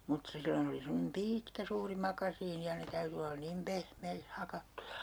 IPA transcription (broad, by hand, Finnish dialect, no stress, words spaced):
mut silːon oli semːonem piːtkæ suːri mɑkɑsiːni jɑ ne tæyty olːɑ nim pehmeikh hɑkɑtːujɑ